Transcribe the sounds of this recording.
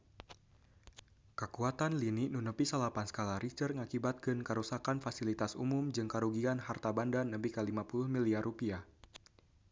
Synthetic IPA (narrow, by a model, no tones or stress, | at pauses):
kəkuat̪anliniʔnunupisəlapansə̥kalaɾit͡ʃərŋakibat̪̚kɨnkəɾusakanfasilit̪asṵmumd͡ʒɨŋkaɾuɡianɦart̪abandanːəmpikalimapulʊhmiliarupia